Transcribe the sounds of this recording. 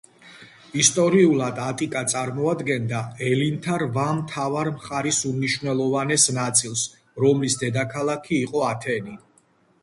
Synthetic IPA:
ist̪ʼɔɾiulˠad̪at̪ʼikʼat̪sʼaɾmɔad̪ɡɛnd̪aɛlint̪ʰaɾvamt̪ʰavaɾmχaɾisumniʃwnɛlˠɔvanɛsnat̪sʼilˠs | ɾɔmlisd̪ɛd̪akʰalˠakʰiːqʼɔat̪ʰɛni

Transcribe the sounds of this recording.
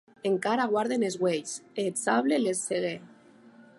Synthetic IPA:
eŋkaɾaɣ̞waɾðenezɣweʎset͡saβlelesːeɣ̞e

